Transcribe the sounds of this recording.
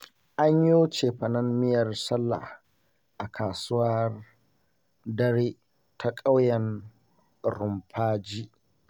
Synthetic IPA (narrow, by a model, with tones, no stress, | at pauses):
ʔa˦ɲjoː˦t͡ʃeː˨ɸɐ˨nɐ˦mːɪ˦jɐ˨rsɐ˦lːa̰˨h | ʔa˨kʰaː˨sʊ˦wɐ˦r | dɐ˦ɾeː˦ | tʰa˦kʼa˦wjɐ˨n | ɾʊ˨mɸʰaː˦d͡ʒiː˦ʔ